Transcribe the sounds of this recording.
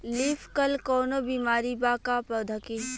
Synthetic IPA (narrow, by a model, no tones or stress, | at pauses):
liːfkɐlkɔːnobiːmaːɾibaːkapəd̪ʱəkeː